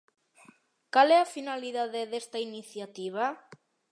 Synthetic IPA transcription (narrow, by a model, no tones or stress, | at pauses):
kalɛafinaliðaðeðest̪ainiθjat̪iβ̞a